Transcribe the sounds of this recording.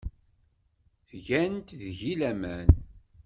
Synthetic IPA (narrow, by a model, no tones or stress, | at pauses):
θʝænt̪ðʝilæmæn